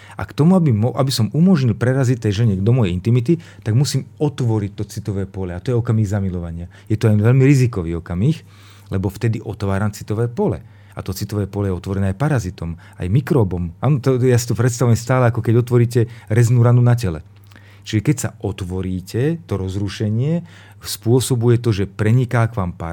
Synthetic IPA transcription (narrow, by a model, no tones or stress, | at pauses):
a̰kt̪ɔmuabimɔʔabisɔmumɔʒɲilpɾɛɾazic̚t̪ɛjʒɛɲɛd̪ɔmɔjɛint̪imit̪̬it̪aɡmusiːmɔt̪ʋɔɾic̚t̪ɔt͡sit̪ɔʋɛːpɔlɛat̪ɔjɛɔkamiːɣzamilɔʋaɲɪa | jɛt̪ɔɛnʋɛlmiɾizikɔʋiːɔkamix | lɛbɔft̪ɛd̪iʔɔt̪ʋaːɾamt͡sit̪ɔʋɛːpɔlɛ̰ | a̰t̪ɔt͡sit̪ɔʋɛːpɔlɛjɛɔt̪ʋɔɾɛnɛːajpaɾazit̪ɔm | a̰jmikɾɔːbɔmaːnɔt̪ɔjaːsi̥t̪ɔpɾɛt̪st̪aʋujɛmst̪aːlɛakɔkɛɟɔt̪ʋɔɾiːcɛɾɛznuːɾanunacɛlɛ̰ | t͡ʃiʒɛkɛcsa̰ʔɔt̪ʋɔɾiːcɛt̪ɔɾɔzɾuʃɛɲɪɛ | spʊɔsɔbujɛt̪ɔʒɛpɾɛɲikaːkʋaːmpa̰